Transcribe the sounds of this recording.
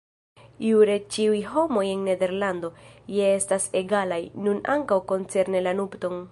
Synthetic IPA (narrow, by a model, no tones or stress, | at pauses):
iuɾe̞t͡ʃiujho̞mo̞je̞nːe̞de̞ɾlando̞je̞estase̞ɡalajnuna̰ŋkawko̞nt͡se̞ɾne̞lanubto̞n